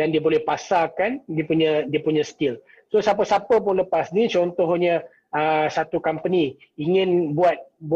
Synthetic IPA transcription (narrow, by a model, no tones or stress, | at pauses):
dandiəbolɛhpasakandiəpuɲədiəpuɲə̃st̪ɪl | sosap̬əsapəp̬ʊnləpasnit͡ʃɔnt̪ɔhɲə | əsat̪ukampəni | iŋɪnbuat̪̚b